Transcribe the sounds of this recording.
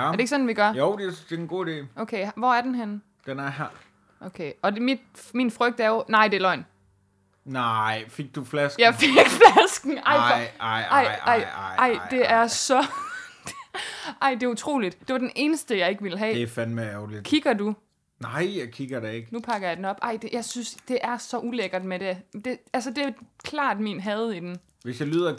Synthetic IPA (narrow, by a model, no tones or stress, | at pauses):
ɐde̝ɡ̥əsɒ̽nn̩ʋiɡ̥ɶɐjoʊd̥ed̥enɡ̥o̝̰ːide̝̰ːoʊkʰeɪʋɒæɐd̥enɦen | d̥enæɐɦæɐ̰ | ʔokʰeɒ̽demid̥minfʁœɡ̥̚d̥æɐjonɑ̈ɪ̰de̝lɒ̽ɪ̰n | nɑɪfeɡ̥̚d̥uflæsɡ̥jɑfeɡ̥flæsɡ̥n̩ɑ̈ɪ̰ɪɑɪɑɪ̰ɑ̈ɪ̰d̥e̝ʔæɐsɒ̥̽ | ʔɑɪ̰d̥e̝ut͡sʰʁo̝̰ːlid̥d̥e̝ʋɑ̈d̥ene̝ːnəsd̥əjɑ̈ɪe̝ɡ̥ʋiləɦɛ̰ːefænmeæʊli̥kʰiɡ̥ɐdu | nɑɪjakʰiɡ̥ɐd̥eeɡ̥nupʰɑ̈ɡ̥ɐjɑ̈d̥enɒ̽b̥ʔɑ̈ɪd̥ejɑ̈ɪsynsd̥e̝ʔæɐsɒ̽ʔuleɡ̥ɐd̥meded̥e̝ælsəd̥e̝kʰlɑ̰̈ːd̥miːnɦɛð̩ˠid̥en | ʋesjɑlyð̰ˠɐ